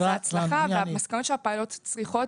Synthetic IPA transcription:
at͡slaχaveamaskanot̪ʃeapaːlot̪t͡sʁiχo̞t

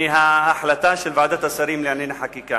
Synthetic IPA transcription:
iɦaaħlat̪aːʃelvaʕd̪aːt̪asˤaɾiːmlianinaħakiːka

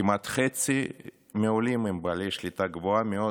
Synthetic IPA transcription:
imat̪χet͡si | meolimimbaliʃlit̪aɡvoameo

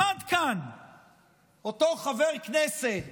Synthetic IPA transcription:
ad̪kan | ot̪oχaveʁkneset

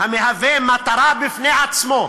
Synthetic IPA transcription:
hameɦavemat̪aɾabifneat͡smo

